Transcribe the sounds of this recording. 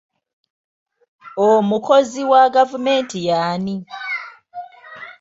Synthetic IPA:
omuko̞ziwaɡavume̞ːntijaːni

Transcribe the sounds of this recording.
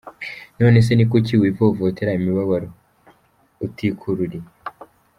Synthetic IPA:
no̞ːne̞s̬e̞nikociwivovoteɾaimiβaβaɾo | utikʰuɾuɾi

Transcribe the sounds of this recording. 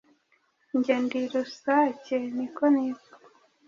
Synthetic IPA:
ɲɟendiɾusacenikonizḁ

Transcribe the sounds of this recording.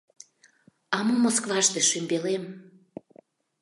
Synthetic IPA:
ɑmɤmoskvɑʃt̪eʃymʲbelem

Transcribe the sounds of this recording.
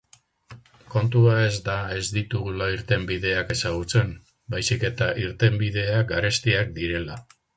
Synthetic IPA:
ko̞nt̪uae̞zd̪ae̞zd̪it̪uɣulaiɾt̪e̞mbiðe̞ake̞saɣ̞ut͡se̞m | bajsike̞t̪aʔiɾt̪e̞mbið̞e̞aɡaɾe̞st̪iak̚d̪iɾe̞la

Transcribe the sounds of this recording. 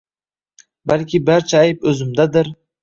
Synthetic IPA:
balkʲʰɪbaɾt͡ʃʰaajɪpɵzɪmd̪ad̪ɪɾ

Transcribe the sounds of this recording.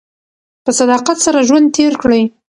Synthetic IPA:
pəsad̪ɑqat̪saɾaʒwand̪̚t̪ʰeɾkɽəj

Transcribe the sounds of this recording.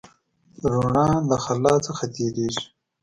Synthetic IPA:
ɾuɳɑ̃ːləxalɑːt͡səxat̪eːɾeːʐi̥

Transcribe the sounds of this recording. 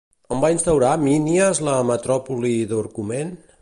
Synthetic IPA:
əmbainst̪əwɾaminiəzləmət̪ɾɔpuliðuɾkumen

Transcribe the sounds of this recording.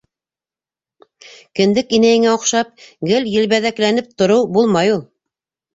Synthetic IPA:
kɘ̆nd̪ɘkinæjɘ̆ŋæŏqʃɑp̚ɡɘljɘ̆lβæðæklænɘp̚t̪ŏɾɤwbulˠmɑjulˠ

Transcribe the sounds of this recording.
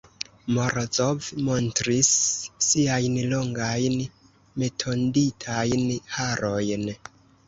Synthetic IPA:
moɾzovmo̞ntɾisːiajnloŋɡajn | me̞tʰo̞nditʰajnhaɾʔo̞jn

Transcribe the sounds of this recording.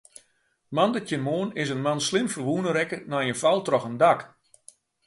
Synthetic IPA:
mandətjənmoənɪsənmanslɪmfərʋunəɾɛkənajənfalˠtrɔxəndak

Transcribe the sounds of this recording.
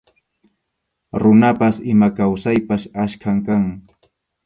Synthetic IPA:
ɾʊnapasɪmakawsajpaʃaʃkʰaŋkaŋ

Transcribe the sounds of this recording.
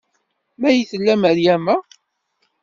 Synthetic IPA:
mæjiθəlːæməɾjæmæ

